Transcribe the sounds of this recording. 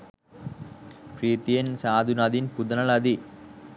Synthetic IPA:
pɾiːt̪ijɐnsaːd̪ʱunad̪inpud̪ɐnɐlɐd̪i

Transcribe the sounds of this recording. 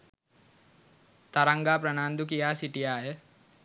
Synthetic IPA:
t̪aɾaŋɡaːpɾɐnaːnd̪ukijaːsiʈijaːjə

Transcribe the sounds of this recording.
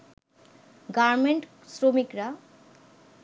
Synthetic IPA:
ɡaɾmeɳʈ | sɾomikɾa

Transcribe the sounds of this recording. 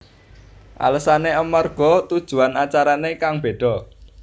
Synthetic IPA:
ʔa̰ləsaneəmarɡ̥ɔ̤t̪ud̥ʒ̥ṳanat͡ʃaɾanekaŋb̥e̤ɖ̥ɔ̤

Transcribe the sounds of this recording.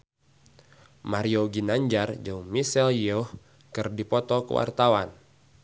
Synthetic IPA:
maɾioɡinaɲd͡ʒard͡ʒawmisɛlioh | kɨrdipɔt̪ɔkə̰wa̰rt̪awan

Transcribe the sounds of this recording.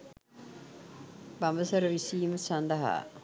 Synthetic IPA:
bambəsɐɾəʋisiːməsand̪ɐɦa̰ː

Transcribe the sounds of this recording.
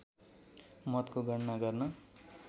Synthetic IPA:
mʌt̪koɡʱʌɽnaɡʌrnʌ

